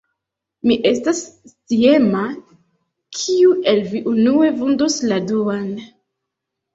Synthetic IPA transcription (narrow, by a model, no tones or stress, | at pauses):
miʔe̞stastie̞ma | kʰiue̞lviʔunue̞vundosladuan